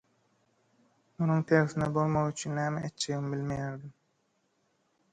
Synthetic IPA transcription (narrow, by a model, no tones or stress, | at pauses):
munuŋt̪ʰeɾθinɛbolˠmɑʁyt͡ʃʰynːæːmeet̪t͡ʃːeɣimbilmejæɾd̪im